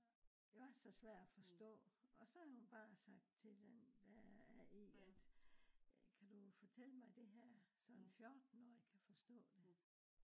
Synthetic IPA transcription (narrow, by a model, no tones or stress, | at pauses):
jaæɐsɒ̽sʋæɐ̰d̥æfɒ̽sd̥ɔ̰̽ːɒ̽sɒ̽æhunb̥ɑ̈ːsɑ̈ɡ̥̚d̥̚t͡sʰe̝d̥end̥ææiæd̥ | kʰæd̥ufɒt͡sʰeləmɑ̈ɪd̥e̝ɦæɐ̰sɒ̽nnfjɒːd̥n̩ːɒjakʰæfɒ̽sd̥ɔ̰̽ːd̥e̝